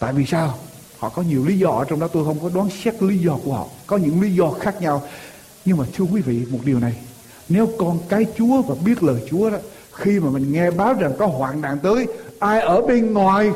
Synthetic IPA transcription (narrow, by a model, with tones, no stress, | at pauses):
t̪a̰ː˧˨jvi˨˩saː˧w | hɔ̰˧˨kɔ˨˦ɲi˨˩əwli˨˦zɔ˧ʔəː˧˩t͡ɕɔ˧ŋ͡mɗɔ˨˦t̪o˧jxə˧wŋ͡mfɔː˨˩˦jɗwaː˨˦nsɛ˦˥k̚li˨˦zɔ˧ku˧˩əhɔ̰˧˨kɔ˨˦ɲɨ̰˧˥ŋli˨˦zɔ˧xaː˦˥k̚ɲa˧w | ɲɨ˧ŋmaː˨˩t̪ʰɨ˧əkwi˨˦vḭ˧˨m˨˩t̚ɗi˨˩əwna˨˩j | ne˨˦wkɔ˧nkaː˨˦jt͡ɕu˨˦əvaː˨˩ɓi˦˥ət̚ləː˨˩jt͡ɕu˨˦əɗɔ˨˦ | xi˧maː˨˩mï˨˩ŋ̟ŋɛ˧ɓaː˨˦wza˨˩ŋkɔ˨˦ɦwaː˨˩nna̰ː˧˨ŋt̪əː˨˦jʔaː˧jʔəː˧˩ɓe˧nŋwaː˨˩j